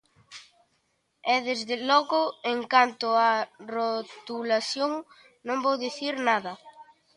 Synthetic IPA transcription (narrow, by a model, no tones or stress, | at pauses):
ɛðezðɪlɔɣʊeŋkant̪ʊarot̪ulasjoŋ | nõŋbowðiθiɾnaðɐ